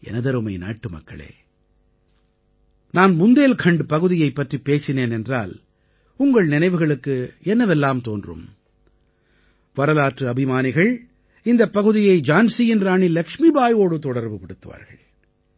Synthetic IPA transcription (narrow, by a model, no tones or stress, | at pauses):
ɛ̰nɐðɐɾɯmɐɪna̰ːʈːɯmɐ̰kːɐ̰ɭḛː | naːnmʊnd̪eːlkʰɐɳɖɯpɐɣɯðɪjɐɪpːɐʈripːeːsɪneːnɛndra̰ːl | ʊŋɡɐɭnɪnɐɪʋɯɣɐɭɯkːɯɛnːɐʋɛlːaːmt̪o̰ːndrɯ̰m | ʋɐɾɐlaːʈrɯɐbɪmaːnɪɣɐɭ | ɪnd̪ɐpːɐɣɯðɪjɐɪd͡ʒaːnsijɪnɾaːɳilɐkʂmibaːjoːɽɯt̪ɔɽɐɾbɯpɪɽɯt̪ːɯʋa̰ːɾɣɐ̰ɭ